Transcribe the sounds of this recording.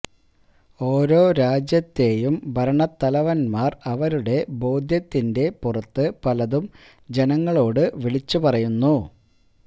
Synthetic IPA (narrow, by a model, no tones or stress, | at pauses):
o̞ːɾo̞ːɾaːd͡ʑjɐt̪ːe̞jumbʱɐɾɐɳɐt̪ːɐlɐʋɐnmaːrɐʋɐɾuɽe̞bo̞ːd̪ʱjɐt̪ːinde̞purɐt̪ːɨpɐlɐðum | d͡ʑe̞nɐŋːɐɭo̞ːɽɨʋiɭit͡ɕːupɐrɐjunːu